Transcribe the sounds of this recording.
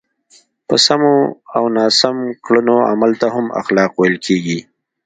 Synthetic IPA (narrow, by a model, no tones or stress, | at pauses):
pəsamoawnɑːsamkɭənoa̰malt̪aɦama̰xlɑqwelkʰeɡi